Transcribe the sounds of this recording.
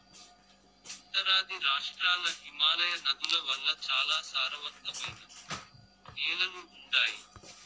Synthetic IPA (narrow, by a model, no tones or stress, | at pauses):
ɐnt̪ɐɾaːd̪iɾaːʂʈɾaːlɐɦimaːlɐjɐnɐd̪ulɐʋɐlːɐt͡ʃaːlaːsaːɾɐʋɐt̪ːɐmɐjnu | neːlɐluːɳɖaːji